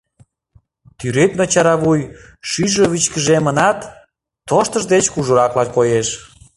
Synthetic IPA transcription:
t̪yɾøknot͡ɕɑɾɑβuj | ʃyʒəβit͡ɕkəʒemənɑt̪ː | oʃt̪əʒd̪et͡ɕkuʒuɾɑklɑnkojeʃ

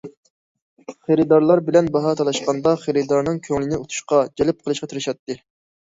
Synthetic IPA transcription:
χeɾɪd̪ɑɾlˠɑɾbɪlɛnbɑɦɑt̪ʰɑlˠɑʃqɑnd̪ɑχeɾɪd̪ɑɾnɨŋkʲʰøŋlɪnɪut̪ʰu̥ʃqɑd͡ʒɛlɪp̚qʰəlˠɨʃqɑt̪ʰɪɾɪʃɑt̪ːɨ

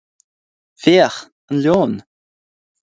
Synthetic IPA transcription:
veːəx | ənljoːn

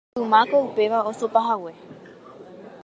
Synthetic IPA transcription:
umakoupeʋaosopaɦawe

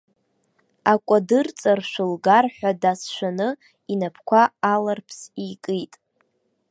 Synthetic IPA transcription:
akʷʼadɨrt͡sʼarʃᶣʷʊlɡarħʷᶣadasʃʷᶣanɨ | inapʰkʷʰaalarpʰsikʼɨjtʼ

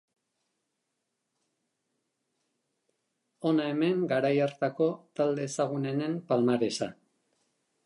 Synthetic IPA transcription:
o̞nae̞me̞ŋɡaɾajaɾt̪ako̞t̪ald̪e̞ːsaɣ̞une̞ne̞mpalmaɾe̞sa

